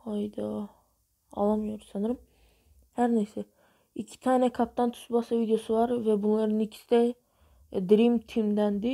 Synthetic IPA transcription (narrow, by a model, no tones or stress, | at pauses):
hɑjd̪ɑ | ɑ̰lˠɑmjoɾsɑnɯɾɯm | hæɾnæsɛ | ikʲʰːi̥t̪ʰanɛkʰap̚t̪ant̪ʰʊ̥sbɑsavid̪ejosɨvɑɾvɛbunlˠɑɾnikʲʰi̥st̪ɛ | d̪ɾimt̪ʰimd̪ænd̪ɪ